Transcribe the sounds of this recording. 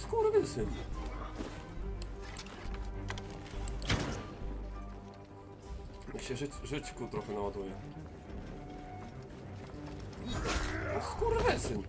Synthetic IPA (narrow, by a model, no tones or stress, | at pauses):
skuɾvɘsɪn | ɲɛkɕɛʐɘt͡ɕkut̪ɾɔxɛnawad̪ujɛ | ɔskuɾvɘsɘn